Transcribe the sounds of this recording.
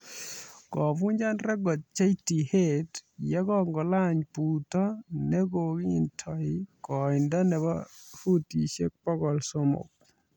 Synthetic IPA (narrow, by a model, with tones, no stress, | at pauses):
kɔ˨vu˦ɲd͡ʒa˦nɾɛ˦ɡɔ˨t̚t͡ʃa˦iti˨he˦tjɛ˦ɡɔ˦ŋɡɔ˨la˦ɲpu˨tɔ˦nɛ˦ɡo˨ɡi˦i˨ntʰɔ˨ɪkɔ˨ɪ˨nda˦nɛ˨ba˦fu˦ti˨ʃḛ˦k̚pɔ˦ɡɔ˨lso˦mo̰˨k̚